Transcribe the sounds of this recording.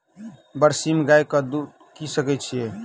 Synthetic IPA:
bəɾsimɡajkɔd̪u | kisəkɛt͡ʃʰije

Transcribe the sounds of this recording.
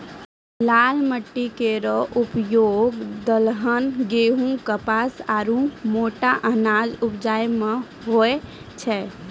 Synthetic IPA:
lalməʈːikeɾɔʔupjoɡd̪əlɦənɡeɦũkəpasaɾũmoʈaʔənad͡ʒupd͡ʒajme | ɦoe | t͡ʃʰɛ

